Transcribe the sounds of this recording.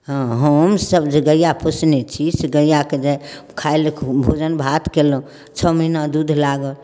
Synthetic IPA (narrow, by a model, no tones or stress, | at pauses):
ɦãɦəmsəbd͡ʒeɡəjapʰusnet͡ʃʰiseɡəjaked͡ʒakʰaelkʰbʱod͡ʒənbʱat̪kel | t͡ʃʰɔməɦinad̪ud̪ʱlaɡəl